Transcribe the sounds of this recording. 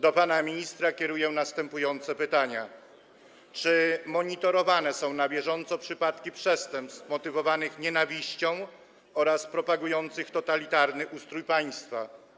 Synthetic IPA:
d̪ɔpanamʲiɲist̪ɾakʲɛɾujɛnast̪ɛmpujɔnt̪sɛpɘt̪aɲa | t͡ʂɘmɔɲit̪ɔɾɔvanɛsɔ̃w̃nabʲjɛʐɔnt̪sɔpʂɘpat̪kʲipʂɛst̪ɛmpst̪fmɔt̪ɘvɔvanɘxɲɛnavʲiɕt͡ɕɔ̃w̃ | ɔɾaspɾɔpaɡujɔnt̪sɘxt̪ɔt̪alʲit̪aɾnɘʔust̪ɾujpaj̃st̪fa

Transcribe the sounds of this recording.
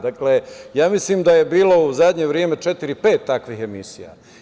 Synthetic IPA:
d̪aklejaːmisliːmd̪aje̞biːlo̞uzad̪ɲeʋɾjeme̞t͡ʃet̪iɾipe̞ːt̪ːakʋiːhe̞misḭja̰

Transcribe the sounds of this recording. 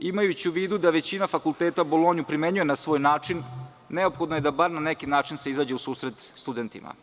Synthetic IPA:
imajut͡ɕiuʋiːd̪ud̪aʋe̞t͡ɕinafakulˠt̪eːt̪abolˠo̞ːɲupɾime̞ɲuje̞nasʋo̞ːjnaːt͡ʂinː | eo̞pxo̞d̪noje̞d̪abaɾnanekinaːt͡ʂinse̞izaːd͡ʑe̞usuːsɾe̞t̪st̪ud̪e̞nt̪ḭma̰

